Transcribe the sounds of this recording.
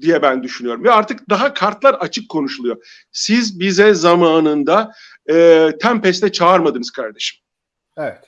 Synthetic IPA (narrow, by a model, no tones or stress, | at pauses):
d̪ijɛbænd̪yʃynyjo̞ɾumjaaɾt̪ʰɯk̚d̪aɦakʰaɾt̪lˠaɾat͡ʃʰɯkʰːo̞nuʃulˠujo̞ | sizbizɛzamaːnɯnd̪a | ɯːt̪ʰæmpɛst̪ɛt͡ʃʰaːaɾmad̪ɯnɯzkʰaɾd̪e̞ʃi̥m | ɛvɛt̪